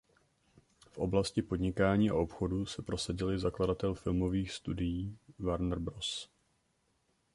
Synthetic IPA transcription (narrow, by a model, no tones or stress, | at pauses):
fʔo̞̰blascɪpo̞dɲɪkaːɲiːa̰ʔo̞pxo̞dusɛpɾo̞saɟɪlɪzakladat̪ɛlfɪlmo̞viːxst̪udɪjiːvaɾnr̩bɾos